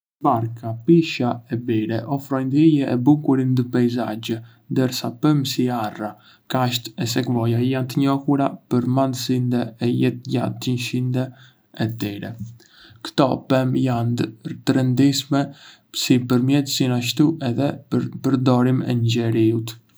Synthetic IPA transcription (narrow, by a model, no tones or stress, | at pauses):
baɾkapiʃaɛbiɾɛʔɔfɾɔjnd̪ijɛʔɛbukuɾind̪əpajzad͡ʒə | nd̪ɛɾsapəmsiara | kaʃt̪ɛs̬ɛkvɔjajant̪əɲɔhuɾa̰pəɾmand̪əsind̪ɛɛjɛt̪̚ɟa̰nt̪ənʃind̪ɛ | ɛt̪iɾɛ̰ | kt̪ɔpɛmjand̪ət̪ɾənd̪iʃmɛ | sipəɾmjɛt̪əsinaʃ̬t̪uɛðɛpəɾd̪ɔɾimɛ̰ɲɟɛɾiut̪